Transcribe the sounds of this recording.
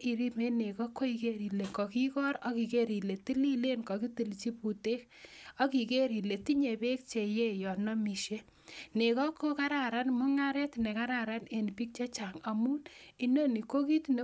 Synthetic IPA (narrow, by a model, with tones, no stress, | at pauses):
i˨ɾi˦me˦ne˨kɔ˦kːo˦i˨ke˦ɾi˨le˨ŋkɔ˨ki˦kɔ˦ɾa˦ki˨ke˦ɾi˨le˨ti˦li˦le˦nkɔ˨ki˦ti˨lt͡ʃi˦pu˨te˦k | ɔ˦ki˨ke˦ɾi˨le˨ti˦ɲe˨be˦k̚t͡ʃe˨je˦jɔ˨nɔ˦mi˨ʃe˦ | ne˨kɔ˦kːo˦ka˦ɾa˨ɾa˦nmʊ˦ŋa˦ɾɛ˦tne˨ka˦ɾa˨ɾa˦ne˨npi˦k̚t͡ʃa˦t͡ʃa˨ŋa˨mu˦ni˦no˦ni˨ko˦ki˦tne˦